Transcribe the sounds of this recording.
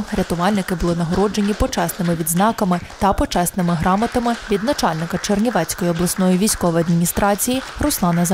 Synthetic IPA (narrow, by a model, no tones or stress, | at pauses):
ɾʲɐt̪ʊʋɑlʲnɪkɪbʊlˠɪnɐɦɔɾɔd͡ʒe̞nʲipɔt͡ʃɛsnɪmɪʋʲid̪znɑkɐmɪt̪ɐpɔt͡ʃɛsnɪmɪɦɾɑmɐt̪ɐmɪʋʲid̪nɐt͡ʃɑlʲnɪkɐt͡ʃernʲiʋɛt͡sʲkɔjiɔblˠɐsnɔjiʋʲijsʲkɔʋɔjɐd̪mʲinʲist̪ɾɑt͡sʲijirʊslˠɑnɐz